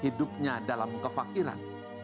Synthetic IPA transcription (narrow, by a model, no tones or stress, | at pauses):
hidʊp̚ɲadalamkəfakiɾa̰n